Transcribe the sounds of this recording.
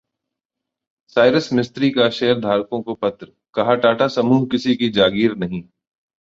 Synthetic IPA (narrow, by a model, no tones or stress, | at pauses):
saːɪɾəsmɪst̪ɾikaʃeːəɾd̪ʱaːɾkõkopɐt̪ɾə | kɐɦaʈaːʈʰasɐmuːɦkɪsikid͡ʒaːɡiːɾnɐɦĩː